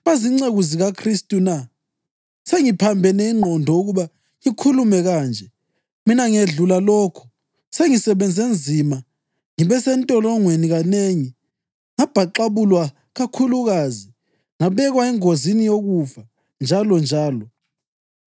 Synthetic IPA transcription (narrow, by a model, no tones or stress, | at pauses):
βaziŋ͡ǀeɣuziɣakʰristʼuna | seŋipʰambʱɛnɛiŋ͡ǃʱɔndʱɔuɣuβa | ikʰulumɛɣaːnd͡ʒʱɛ | minaŋeɮulalɔːkʰɔ̥ | seŋisɛβɛnd͡zʱend͡zʱima | ŋiβɛsɛntʼɔlɔŋweniɣaneŋi | ŋab̥ʱaǃaβulwa | ɣakʰuluɣazi | ŋaβɛɣwaɛŋozinijoɣufa | nd͡ʒʱalɔnd͡ʒʱaːlɔ